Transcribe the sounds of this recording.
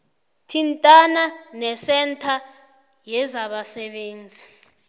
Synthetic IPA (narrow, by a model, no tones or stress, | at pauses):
tʰintʼananɛsɛntʰa | jɛzaɓasɛɓeːnd͡zʱi